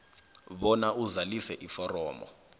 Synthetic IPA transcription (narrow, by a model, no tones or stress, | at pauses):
ɓɔnaʔuzalisɛʔifɔrɔːmɔ̰